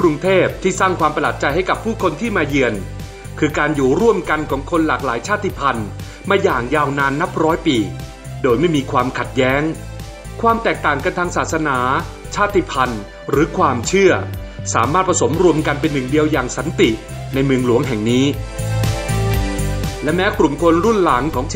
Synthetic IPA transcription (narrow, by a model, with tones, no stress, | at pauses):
kɾu˧ŋt̪ʰeː˥˩p̚t̪ʰiː˥˩saː˥˩ŋkʰwaː˧mpa˧laː˨˩t̪̚t͡ɕa˧jɦa˥˩jka˨˩pʰːuː˥˩kʰo˧nt̪ʰiː˥˩maː˧ji˧ən | kʰɯː˧kaː˧njuː˨˩ɾu˥˩əmka˧nkʰɔː˩˦ŋkʰo˧nlaː˨˩k̚laː˩˦jt͡ɕʰaː˥˩t̪ʰːi˧˥pʰa˧n | maː˧jaː˨˩ŋjaː˧wnaː˧nːa˦˥p̚ɾɔː˦˥jpiː˧ | doː˧jma˥˩jmiː˧kʰwaː˧mkʰa˨˩t̪̚jɛː˦˥ŋ | kʰwaː˧mt̪ɛː˨˩k̚t̪aː˨˩ŋka˧nt̪ʰaː˧ŋsaː˨˩t̪̚sa˧naː˩˦ | t͡ɕʰaː˥˩t̪ʰːi˧˩pʰa˧n | ɾɯː˩˦kʰwaː˧mt͡ɕʰɯ˥˩ɐsaː˩˦maː˥˩t̪̚pʰa˧so˩˦mɾu˧əmka˧npe˧nːɯ˨˩ŋdi˧əwjaː˨˩ŋsa˩˦nt̪i˨˩ | na˧jmɯ˧əŋlu˩˦əŋɦɛ˨˩ŋniː˦˥ | lɛ˦˥mɛː˦˥kɾu˨˩mkʰo˧nɾu˥˩nla˩˦ŋkʰɔː˩˦ŋ